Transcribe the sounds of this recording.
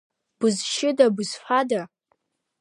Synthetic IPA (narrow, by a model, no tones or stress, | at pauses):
b̥ɨzʃɪdabɨz̥ħada